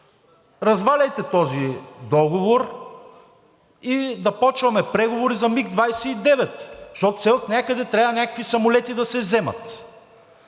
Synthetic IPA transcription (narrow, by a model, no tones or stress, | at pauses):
ɾɐzvalʲɛjt̪ɛt̪ɔzid̪ɔɡovoɾ | id̪ɐpɔt͡ʃvɐmɛpɾɛɡovoɾizɐmiɡd̪vajsɛid̪ɛvɛt̪ʃɔt̪sɛt̪nʲakəd̪ɛt̪ɾʲaɐnʲakəkvisɐmolɛt̪id̪ɐsɛzɛmɐ̰t̪